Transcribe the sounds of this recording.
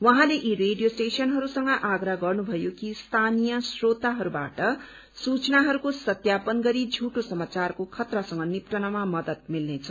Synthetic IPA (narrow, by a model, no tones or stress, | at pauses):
wʌɦãleʔireɖijosʈesʌnɦʌɾusʌŋɡʌʔaɡraɡʌrnubʱʌjokist̪ʰanijʌsrot̪aɦʌɾuba̰ʈʌ | sut͡snaɦʌɾukosʌt̪japʌnɡʌɾid͡zʱuʈosʌmat͡sarkokʰʌt̪rʌsʌŋɡʌnipʈʌnʌmamʌd̪ʌt̪̚milnet͡sʰʌ